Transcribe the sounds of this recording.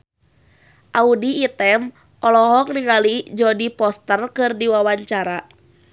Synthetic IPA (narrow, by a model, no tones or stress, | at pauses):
ʔaudiːt̪ɛm | ʔɔlɔɦɔk̚niŋalid͡ʒɔdipɔst̪ərkɨrdiwawaɲt͡ʃaɾa